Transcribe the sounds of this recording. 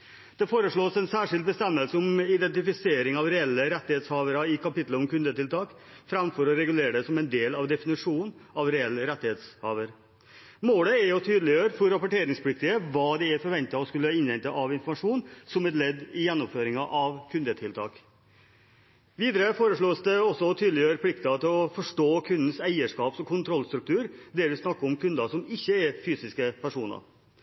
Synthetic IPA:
d̪̥ɛfoːɾəʂɭoːsɛnsæːʂɪld̪̚bəst̪ɛmːəlsəʊmɪd̪ɛnt̪ɪfɪseːɾɪŋɑʋɾɛɛlːəɾɛt̪ːɪheːt̪shɑːʋəɾɑɪkʰɑpɪt̪ləɔmkʉnd̪ət̪ʰɪlt̪ʰɑːk | fɾɑmfɔɾɔɾɛɡʉleːɾəɖɛsɔmɛnd̪eːlɑʋd̪ɛfɪnɪʂuːnɑʋɾɛɛlːəɾɛt̪ːɪheːt̪shɑːʋəɾ | moːləɛɾjʊt̪ʰyːd̪l̩ɪjøːɾfɔɾːɑpɔʈeːɾɪŋspʰʊlɪk̚t̪ɪəʋɑːd̪ɪæɾfɔɾʋɛnt̪ɑɔskʉlːəɪnʋɛnt̪ɑʔɑʋɪnfɔɾmɑʂuːnsɔmɛt̪lɛd̪ːɪjɛnːɔmføːɾɪŋɑʔɑʋkʰʉnd̪ət̪ʰɪlt̪ʰɑ̰ːk | ʋiːd̪əɾəfoːɾəʂɭoːsd̪ɛɔsɔt̪ʰyːd̪lɪjøːɾpʰlɪkt̪ɑt̪ʰɪlɔfɔʂʈoːkʰʉnd̪n̩sæɪəʂkɑːpsɔkʰʊnt̪ʰɾɔlːst̪ɾʉk̚t̪ʰʉːɾd̪ɛɾʋɪsnɑkːəɔmkʰʉnd̪ɑsɔmɪçːəɛɾfyːsɪskəpʰæʂuːnɑ̰ɾ

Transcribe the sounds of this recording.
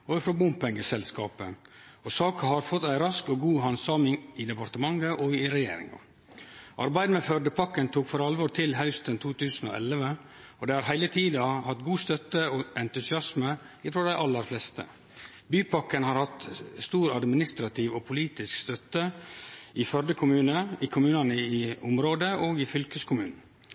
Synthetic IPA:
oːɪfɾɔbʊmpɛŋɡəsɛlskɑ̰ːpəɔsɑːkɑhɑɾfɔt̪ːæɪɾɑskɔɡuːɦɑnsɑːmɪŋɪd̪ɛpɑɾt̪əmɑŋəʔɔɪɾɛjḛːɾɪ̰ŋɑ̰ | ʔɑɾbæɪd̪əmɛfœɖəpʰɑkːənt̪ʰuːkfɔɾɑlʋɔːɾt̪ʰɪlɦœʉst̪ənt̪ʰuːt̪ʰʉːsn̩o̰ːʔɛlʋə | ɔd̪ɛɪhɑːɾɦæɪlət̪ʰiːd̪ɑhɑt̪ɡuːst̪œt̪ːəoʔɛnt̪ʉsɪɑsmə | ɪfɾoːd̪æɪʔɑlːəɾflɛst̪ə̰ | byːpʰɑkːənhɑɾhɑt̪st̪uːɾɑd̪mɪnɪst̪ɾɑt̪ʰiːʋopʰʊliːt̪ɪskst̪œt̪ːə | ɪfœɾɖəkʰʊmʉːnəɪkʰʊmʉːnɑnəɪʊmɾoːd̪əʔoːɡɪfʏlkəskʰʊmʉːnn̩

